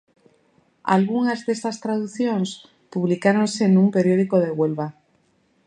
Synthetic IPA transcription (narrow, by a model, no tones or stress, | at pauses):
a̰lɣuŋazðest̪ast̪ɾaðuθjons | puβ̞likaɾo̞nsenumpeɾjo̞ð̞ikoð̞eɣwe̞lβa